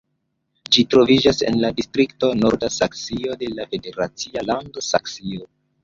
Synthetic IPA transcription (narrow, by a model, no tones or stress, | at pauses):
d͡ʒitɾo̞vid͡ʒase̞̰nladistɾikto̞no̞ɾdasaksio̞de̞lafe̞de̞ɾat͡sialando̞saksio